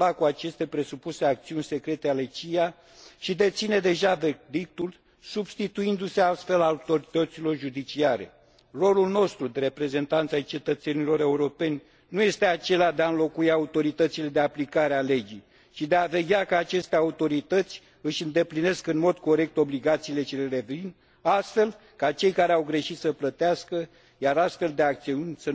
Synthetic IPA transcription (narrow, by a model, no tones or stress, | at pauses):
lakuat͡ʃe̞st̪e̞pɾe̞supuse̞ak̚t̪siunʲse̞kɾe̞t̪eale̞t͡ʃija | ʃid̪e̞t̪sine̞d̪e̞ʒaved̪ik̚t̪ul | subst̪it̪uind̪use̞ast̪fe̞laut̪o̞ɾit̪ət̪silo̞rʒud̪it͡ʃiaɾe̞̰ | ro̞lulno̞st̪ɾud̪eɾe̞pɾe̞ze̞nt̪ant̪sajt͡ʃe̞t̪ət̪se̞nilo̞ɾe̞uɾo̞pe̞nʲ | nuje̞st̪e̞at͡ʃe̞lead̪eaɨnlo̞kuiaut̪o̞ɾit̪ət̪sile̞d̪e̞aplikaɾeale̞d͡ʒij | t͡ʃid̪eave̞ɡʲakəat͡ʃe̞st̪eaut̪o̞ɾit̪ət̪sʲ | ɨʃɨnd̪e̞pline̞skɨnmo̞d̪ko̞ɾe̞k̚t̪o̞bliɡat̪siːle̞t͡ʃe̞le̞ɾe̞vin | ast̪fe̞l | kat͡ʃe̞jkaɾeawɡɾe̞ʃit̪səplət̪easkə | jaɾast̪fe̞ld̪eak̚t̪siunʲsə